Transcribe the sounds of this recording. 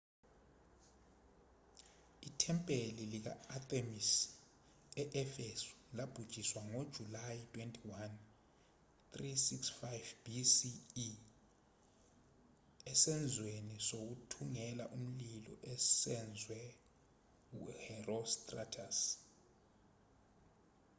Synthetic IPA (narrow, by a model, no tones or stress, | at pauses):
itʰɛmpʼelilik̬a̰at̪ʼemis | ɛʔɛfesu̥lab̥ʱud̥ʒ̥ʱiswaŋod̥ʒ̥ʱulajitʰʼwentʼiwan | t̪risiksfajvb̥isi | ɛsɛnd͡zʱwenisok̬utʰuŋɛla̰ʔum̩lilɔ̰ʔɛsɛnd͡zʱwɛ | uhɛrɔstʼratʰas